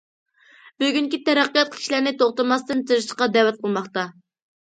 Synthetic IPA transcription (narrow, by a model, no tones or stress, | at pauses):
byɡʲyŋkʲit̪ʰɛɾæqːijɑt̪̚kʲʰi̥ʃlæɾnɪt̪ʰoχt̪ɨɾmɑst̪ɨnt̪ʰiɾɨʃqɑd̪ɛwɛt̪̚qʰəlˠmɑχt̪ɑ